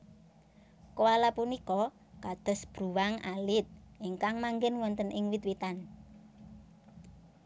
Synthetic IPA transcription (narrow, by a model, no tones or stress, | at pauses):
kowalapunikɔ | kad̪̥ə̤sb̥ɾuwaŋalɪt̪̚ʔiŋkaŋmaŋɡɪnwɔnt̪ənɪŋwit̪̚wit̪an